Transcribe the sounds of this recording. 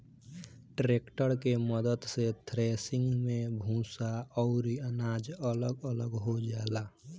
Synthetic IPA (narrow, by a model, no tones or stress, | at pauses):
ʈɾeːkʈəɾkeməd̪əd̪set̪ʰɾeːsɪ̃ŋɡmẽbʱũːsaɔʊɾiənaːd͡ʒələɡələɡɦod͡ʒaːla